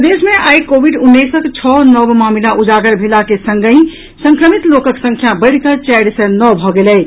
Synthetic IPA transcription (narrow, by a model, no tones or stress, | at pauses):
d̪esmeʔajkobʱiɖunːesəkt͡ʃʰɔnəbmamilaʔud͡ʒaɡəɾbʱelakesə̃ŋɡəĩ | səŋkɾəmit̪lokəksə̃ŋkʰjabəɪɽkət͡ʃɛɽsə̃nɔbʱɔɡelɛj